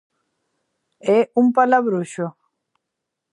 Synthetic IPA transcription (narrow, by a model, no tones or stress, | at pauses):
ɛumpalaβɾuʃo